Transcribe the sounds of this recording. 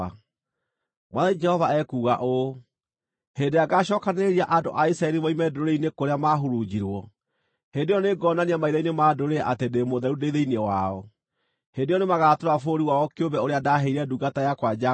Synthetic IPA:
a | mwaðanid͡ʒɛhɔvaɛkuːɣaʔo | hendeaɡaɕɔkaneɾiaʔado̰ʔaisaɛɾimaimɛdooɾeinekoɾeamaɦoɾud͡ʑiɾwɔ | hedejɔneɡɔnaniamaiðainemadoɾeʔatedemoðɛɾudeðeinewaɔ | hendeɔnemaɣatoɾafoɾiwaɔkeombɛoɾeadaɦeiɾɛduɡatajakwad͡ʒa

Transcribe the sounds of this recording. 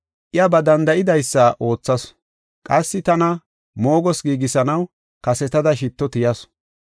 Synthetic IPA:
ʔɪjɐbɐd̪ɐnd̪ɐʔɪd̪ɐjsːɐʔo̞ːt͡sːɐs | kʼɐsːɪt̪ɐnɐ | mo̞ːɡɔsɡiːɡɪsɐnɐw | kɐsɛt̪ɐd̪ɐʃ̬ɪt̪ːɔt̪ɪjɐs

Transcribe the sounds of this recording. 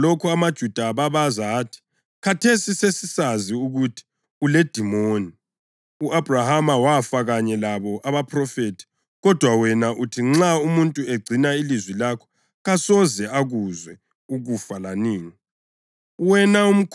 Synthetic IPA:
lokʰuamad̥ʒ̥ʱud̥ʱaβaβazaːtʰi̥ | kʰatʰesisesisaziuɣutʰi̥ | uled̥ʱimoːni | uʔab̥ʱrahamawafaɣaɲɛlaβɔʔaβapʰrɔfetʰi̥ | ɣɔd̥ʱwawɛnaʔutʰiŋ͡ǁaumuntʼueɡ͡ǀʱinailizwilakʰɔ̥ | ɣasɔzɛaɣuzwɛ | uɣufalaniːŋi | wɛnaum̩kʰ

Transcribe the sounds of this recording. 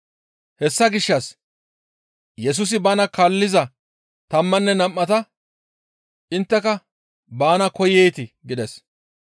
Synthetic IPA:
hɛsːɐɡɪʃːɐs | jɛs̬ʊs̬ɪbaːnɐkɐlːɪzɐ | t̪ɐmːɐnːɛnɐmːɐt̪ɐ | ʔɪnt̪ːɛkɐ | baːnɐkɔjɛjt̪ɪɡɪd̪ɛs

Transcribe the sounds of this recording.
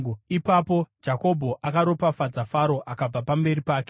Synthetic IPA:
ipapo̞d͡ʒako̞bʱo̞ʔakaɾo̞pafad͡zafaɾo̞ʔakab͡vapambe̞ɾipaːke

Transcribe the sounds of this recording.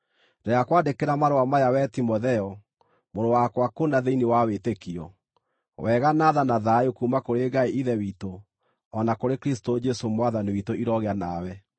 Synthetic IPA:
deakwadekeɾamaɾowamajawɛtimoðɛɔ | moɾowakwakonaðeinewawetekiɔ̰ | wɛɣanaðanaðaokuːmakoɾeɡaeiðɛwiːto | ɔnakoɾekɾis̬tod͡ʒɛsomwaðaniwitoʔiɾɔɣeanawɛ

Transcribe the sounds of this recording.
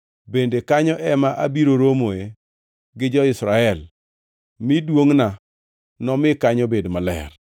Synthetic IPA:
bendekaɲɔʔɛmaʔabiɾoɾomoe | ɡɪd͡ʒɔɪsɾaɛl | mɪdwoŋna | nɔmɪkaɲɔbedmalɛ̰r

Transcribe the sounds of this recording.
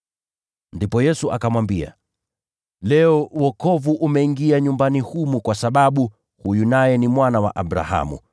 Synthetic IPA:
ndipɔjɛsuʔakamwambia̰ | lɛɔwɔkɔvuʔumɛiŋɡiaɲumbanihumukwasaɓaɓu | hujunajɛnimwanawa̰ʔaɓɾa̰ha̰mṵ

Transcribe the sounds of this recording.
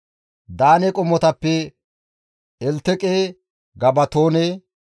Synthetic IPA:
d̪aːnɛkʼʊmːɔt̪ɐpːɛ | ɛlt̪ːɛkʼeː | ɡɐbɐt̪oːneː

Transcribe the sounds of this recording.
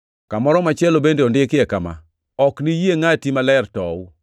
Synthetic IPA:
kamɔɾɔmat͡ʃɪɛlobendeɔndekɪɛkama̰ | ɔknijeŋatimalɛrtɔu

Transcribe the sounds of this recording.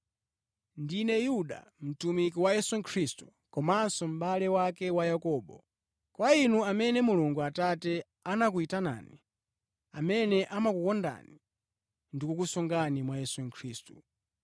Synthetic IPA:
ndinɛjuɗa̰ | m̩tumikiwajɛsuŋ̩kʰɾistu̥ | kɔmansɔm̩ɓalɛwakɛwajakɔːɓɔ̰ | kwainuamɛnɛmuluŋɡuatatɛ | anak̬uitana̰ːni | amɛnɛʔamakukɔnda̰ni | ndikukusɔŋɡanimwajɛsuŋ̩kʰɾiːstu̥

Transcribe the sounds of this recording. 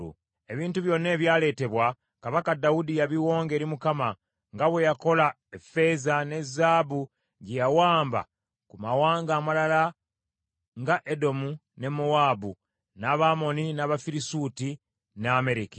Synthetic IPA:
ṵ | e̞βiːntuβjo̞nːe̞ːβjaːle̞ːte̞βwa | kaβakadawudijaβiwo̞ːŋɡe̞ɾimukama | ŋɡaβwe̞jako̞la | efe̞zane̞zːaːbu | ɟejawaːmba̰ | kumawaːŋɡaːmalala | ŋɡaʔe̞do̞mu | ne̞mowaːbu | naβaːmo̞ninaːβafiɾisuːti | naame̞ɾiki

